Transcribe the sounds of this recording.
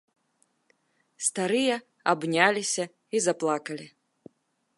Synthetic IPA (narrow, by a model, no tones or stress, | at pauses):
st̪aɾɨjɐ | abnʲalʲisʲɐ | izaplˠakɐlʲi